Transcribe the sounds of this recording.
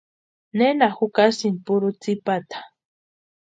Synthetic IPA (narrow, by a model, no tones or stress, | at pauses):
nenaxukasinpuɾut͡sipat̪ḁ